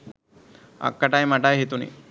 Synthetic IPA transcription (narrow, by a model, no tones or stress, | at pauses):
a̰kːaʈajmaʈajɦet̪unḭ